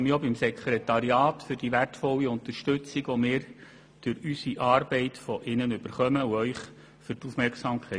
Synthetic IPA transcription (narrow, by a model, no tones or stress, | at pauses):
mjobimsɛkʰɾɛt̪ɑɾiɑːtfʏɾd̥iʋærtfɔlːiʊnt̪əɾʃtʉt͡siɡʋɔmɪːɾ | d̥øɾysiʔɑːɾbɛɪtfɔʔɪnənʉb̥əɾχœməuœʏχ | fʏɾtufmɛɾksɑmkʰɛ